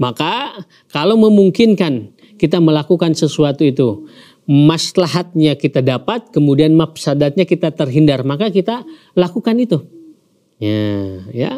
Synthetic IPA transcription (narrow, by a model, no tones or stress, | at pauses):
maka | kalawməmuŋkɪnkan | kit̪̬aməlakukansəsuat̪uit̪u | maslaɦat̪̚ɲakit̪adapat̪̚kəmudianmapsadat̪̚ɲakit̪at̪ərɦindarmakakit̪a | lakukanit̪u | jaja̰